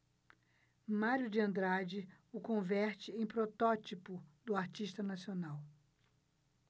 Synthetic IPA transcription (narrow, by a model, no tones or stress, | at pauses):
maɾjʊd͡ʒɪɐ̃nd̪ɾad͡ʒɪʊkõvɛɾt͡ʃɪẽj̃pɾot̪ɔt͡ʃipʊd̪ʊaɾt͡ʃiʃt̪ɐnasionaw